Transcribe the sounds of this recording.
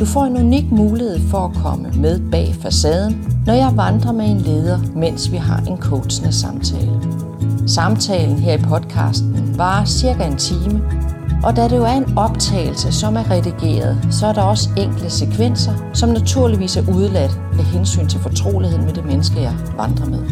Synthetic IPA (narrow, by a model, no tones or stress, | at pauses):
d̥ufɒ̰ːe̝nuniɡ̥muːlihe̝ð̞̰ˠfɒ̽ækʰɒ̽məmeð̞ˠb̥ɛ̰ːfæsɛð̞ˠn̩ːɒjɑ̈ɪʋɑ̈nd̥ʁɐmee̝nle̝ːð̞ˠɐmen̰sʋiɦɑ̈ʔe̝nkʰoʊ̥snəsɑ̈mt͡sʰɛ̰ːlə | sɑ̈mt͡sʰɛ̰ːln̩ɦe̝ɐ̰ipʰɒ̽d̥kʰɑ̰̈sd̥n̩ʋɑ̈siɐɡ̥æe̝nt͡sʰiːməʔɒ̽d̥æɾe̝jo̝æɐe̝nɒ̽b̥t͡sʰɛ̰ːɪl̩səsɒ̽mæɐʁɛðiɡ̥e̝̰ːɐð̞ˠsɒ̽æɐɾɑ̈ɒ̽səeŋ̰ɡ̥ləsekʰʋen̰sɐsɒ̽mnæt͡sʰuɐliʋḭːsæɐʔuð̞ˠlæd̥ | meɦensy̰ːnt͡sʰe̝lfɒ̽t͡sʰʁo̝̰ːlihe̝ð̰ˠmed̥e̝menəsɡ̥əjɑ̈ɪʋɑ̈nd̥ʁɐmeðˠ